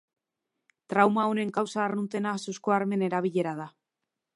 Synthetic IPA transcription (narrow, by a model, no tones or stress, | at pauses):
t̪ɾawmaone̞ŋkawsaːrunt̪e̞nasuskoaɾme̞ne̞ɾaβ̞iʎe̞ɾað̞a